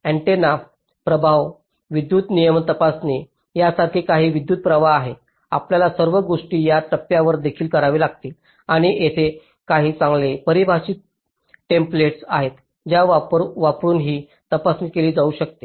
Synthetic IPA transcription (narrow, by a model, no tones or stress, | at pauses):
æ̃ɳʈenaf | pɾəbʱaʋ | ʋid̪juːt̪nijəmt̪əpasne | jasaɾkʰiːkaɦiːʋid̪juːt̪̚pɾəʋaːɦe | a̰pljalasəɾʋəɡoʂʈiːjat̪əpjaʋəɾd̪ekʰiːlkəɾaʋilaɡ̚t̪iːl | aɽ̃iʔet̪ʰe | kaɦiːt͡sãŋɡlepəɾibʱaɕiːt̪̚ | ʈempleʈsa̰ɦet̪ | d͡ʑjaʋapɾuːnɦiː | t̪əpasniːkeliːd͡zauɕək̚t̪e̥